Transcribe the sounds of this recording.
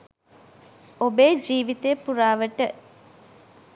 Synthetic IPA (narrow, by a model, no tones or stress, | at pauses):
obeːd͡ʒiːʋit̪ejəpuɾaːʋəʈə